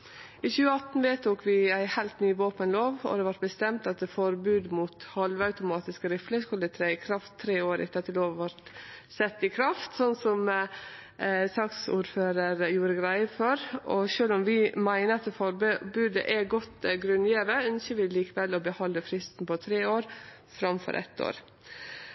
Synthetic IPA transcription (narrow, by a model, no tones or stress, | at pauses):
ɪçʉːəɑt̪n̩ʋet̪ʰuːkʋɪæɪhæɪlt̪nyːʋoːpənloːʋɔ̰d̪ɛʋɑʈ̚bəst̪ɛmt̪ɑt̪̚d̪ɛfɔɾbʉːd̪muːt̪hɑlʋəɑʉt̪ʊmɑːt̪ɪskəɾɪfləskʉlːd̪ɛt̪ʰɾæɪɪkʰɾɑft̪ʰːɾeːoːɾʔɪ̰t̪ɑːt̪ʰɪloːʋʋɔɾt̪sɛt̪ːɪkʰɾɑft̪sɔnːsɔm | sɑksṵːɾføːɾəɾjuːɾəɡɾæɪəfɔɾʔɔ̰ʃøːlɔmʋɪmæɪnəɾɑt̪̚d̪ɛfɔɾbbʉːd̪ə̰ʔɛɡɔt̪ːɡɾʉnːjeːʋəœnsəʋɪliːkəʋɛlːɔbəhɔlːəfɾɪst̪npɔt̪ʰɾeːoːɾ | fɾɑmfɔ̰ɾʔɛ̰t̪ːo̰ːɾ